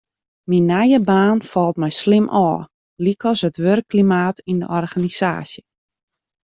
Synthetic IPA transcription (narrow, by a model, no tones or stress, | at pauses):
minːɛjəbaːnfɔlˠtmɛjslɪmʔɔː | likɔsətʋørkːlimaːtində̰ʔɔrɣanisa̰ːsjə